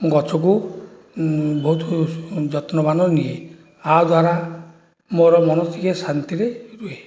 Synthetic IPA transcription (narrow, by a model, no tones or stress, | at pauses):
ɡɔt͡ʃʰɔk̬u | bɔɦut̪ʰd͡ʒɔt̪nɔbanɔnie | ad̪waɾa | moɾɔmɔnɔt̪ʰikesant̪iɾeɾue